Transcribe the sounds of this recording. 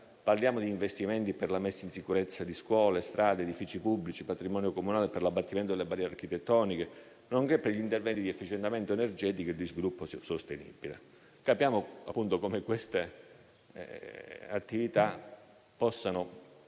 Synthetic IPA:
parljaːmod̪iːɱvest̪iment̪iperlamesːainsikuɾet̪sːad̪iskwɔːlest̪ɾaːd̪eːd̪ifit͡ʃipubːlit͡ʃipat̪ɾimɔːnjokomunaːleperlabːat̪ːiment̪od̪elebaɾjɛɾark̟it̪et̪ːɔːnike | noŋkepːeʎint̪ervɛnt̪id̪iɛfːit͡ʃent̪ament̪oenerd͡ʒɛːt̪ikoild̪izvilupːossost̪enḭbilḛ | kapjaːmoapːunt̪okomekwest̪ḛ | at̪ːivit̪a | pɔsːano

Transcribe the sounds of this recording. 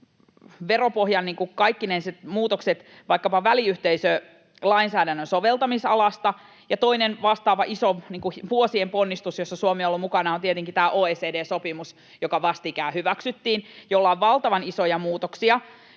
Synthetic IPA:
ʋeropohjɑnniːŋkukɑikːinenset̪muːt̪okset̪ | ʋɑikːɑpɑʋæliyht̪eisø | lɑinsæːdænːønsoʋelt̪ɑmisɑlɑst̪ɑ | jɑt̪o̞inenʋɑst̪ɑːʋɑʔisoniːŋkuʋuosiemponːist̪usjosːɑsuomeolːomukɑnɑont̪iet̪eŋkit̪æːʔoːeːseːdeːsopimus | jokɑʋɑst̪ikæːhyʋæksyt̪ːiːnjolːɑʋʋɑlt̪ɑʋɑnisojɑmuːt̪oksiɑ

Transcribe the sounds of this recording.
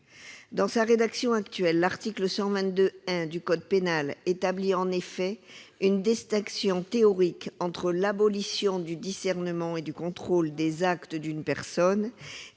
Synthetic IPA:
d̪ɑ̃saʁed̪aksjɔ̃akt̪ɥɛlːaʁt̪ikləsɑ̃vɛ̃t̪̚d̪øɛ̃d̪ykɔd̪penalet̪abliɑ̃nefɛynd̪ɛst̪ɛ̃ksjɔ̃t̪eɔʁikɑ̃t̪χəlabɔlisjɔ̃d̪yd̪isɛʁnəmɑ̃ed̪ykɔ̃t̪χold̪ezakt̪əd̪ynpɛʁsɔn

